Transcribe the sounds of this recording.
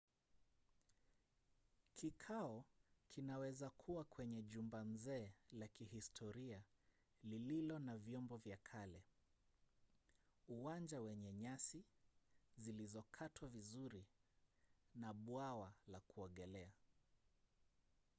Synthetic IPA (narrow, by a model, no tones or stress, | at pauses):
kʰikʰaɔkʰinawɛzakʰuwakwɛɲɛʄumbam̩zɛːlakihistʰɔɾia | lililɔnavjɔmbɔvjakʰalɛ | uwand͡ʒawɛɲɛɲasi | zilizɔkʰatwavizuɾi | naɓwawalakuɔɠɛlɛa